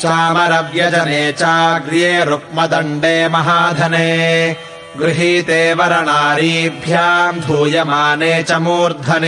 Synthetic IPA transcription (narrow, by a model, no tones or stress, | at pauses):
t͡ʃaːmɐɾɐʋjɐd͡ʒɐneːt͡ʃaːɡɾijeːɾuk̚mɐd̪ɐɳɖeːmɐɦaːd̪ʱɐneː | ɡɾɪɦiːt̪eːʋɐɾɐɳaːɾibʱjaːnd̪ʱuːjɐmaːneːt͡ʃɐmuːɾd̪ʱɐne